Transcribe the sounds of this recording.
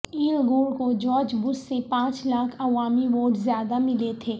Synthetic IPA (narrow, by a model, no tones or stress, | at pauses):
iːlɡoːɾkod͡ʒɔːd͡ʒbʊsːepãːt͡ʃlaːkʰɐʋaːmiʋoːʈzjaːd̪amɪlet̪ʰeː